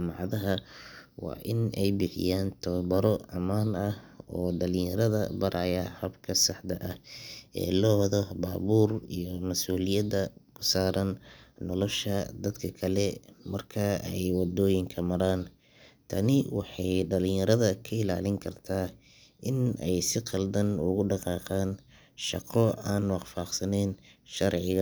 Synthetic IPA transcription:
mɑʕðɐɦɐwɑ̰ːʔɪnɛjbɪħɪ̰jaːnt̪ʰɔbɐɾɔʕɑ̰maːnɐhɔːɖɐlɪ̃ŋjɐɾɐðɐbɐɾʔajɐhɐbkʰɐsɑħd̪ɐʔɐhʔɛ̰ːlɔːwɐðɔbaːβuːrijɔmɐsuːlɪjɐd̪ɐkʰʊ̥saːɾɐnːɔlɔʃɐd̪ɐd̪kʰɐkʰɐlɛmɐrkʰɐɛjwɑd̪ɔːjɪŋkʰɐmɐɾaːn | t̪ʰɐnɪwɑħɑjɖɐlɪ̃jɐɾɐðɐkʰɐɪla̰ːlɪŋkʰɐrt̪ʰaː | ʔɪnɛjsɪqɑld̪ɐnʊ̰ɣʊɖɑqɑːqɑːn | ʃɑqɔaːnwɑχfɑːqsɐnɛːnʃɐrʕɪɣɐ

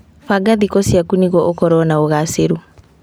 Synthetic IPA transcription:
faɡaðikɔsjakuniɣɔʔokɔɾɔnaoɣaseɾu

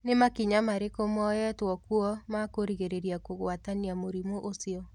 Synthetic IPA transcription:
nemakiɲamaɾekomɔjɛtwɔkuɔmakoɾiɣeɾeɾjakoɣwataniamoɾimoʔosiɔ

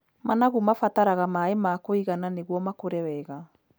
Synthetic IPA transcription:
manaɣumafataɾaɣamaemaːkoiɣananeɣwɔmakoɾɛwɛɣa

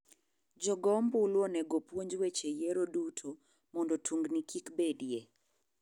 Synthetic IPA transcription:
d͡ʒɔɡɔmbulwonɛɡopwoɲd͡ʒwet͡ʃejɛɾodutʰo | mɔndɔtʰuŋɡnikʰikbedije

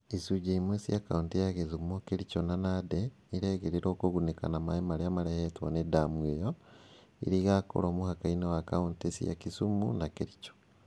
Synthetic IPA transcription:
isuɟaimwesijakauntijaɣezumokeɾit͡ʃonanade | iɾeɣeɾiɾokoɣuneka̰namaimaɾiamaɾehetwanedamwejo | ḭɾiɣako̰ɾoːmuhakainewaka̰untesḭja̰kisumṵnakeɾit͡ʃo̥

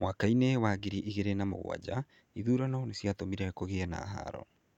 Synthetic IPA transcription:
mwakainewaɣiɾiʔiɣeɾenamo̰ɣw̰a̰d͡ʑa | iðuːɾanaɔnesjat̪omiɾɛkoɣeɛna̰ɦa̰ɾɔ̰

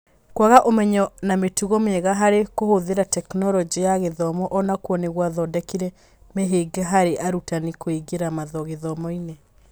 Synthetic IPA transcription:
kwaɣaʔomɛɲɔnametuɣɔmɛɣaɦaɾekohoðeɾatɛknɔɾɔd͡ʒijaɣeðɔmɔʔɔnakwɔneɣwaðɔdɛkiɾɛ | meɦeɡaɦaɾeʔaɾutanikoiɡeɾamaðɔɣeðɔmɔine

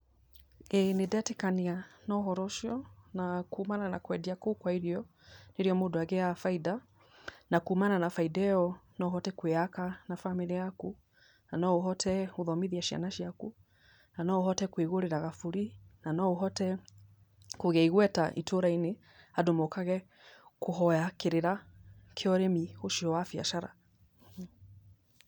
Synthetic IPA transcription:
ɛnedɛtikanianɔɦɔɾɔʃɔnakuːmanana̰kwɛdiakukwaiɾiɔ | neɾiɔmodoaɣɛafaida | nakuumananafaidɛɔnɔɦɔtɛkweakanafamiliaku | nanɔuɦɔtʰɛoðɔmiðiaʃia̰naʃiaku | nanɔoɦɔtɛkweɣoɾeɾaɣafuɾinanɔoɦɔtɛ | koɣɛiɣwɛtaʔitʰoɾaine | adomokaɣɛ | koɦɔjakeɾeɾakʰeɔɾemihoʃiɔwafia̰ʃaɾa̰

